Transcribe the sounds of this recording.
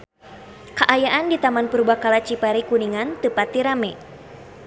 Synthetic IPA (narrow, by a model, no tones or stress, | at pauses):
kaʔajaʔandit̪amanpəɾubahkalat͡ʃipaɾikuniŋant̪ɨpat̪iɾamɛ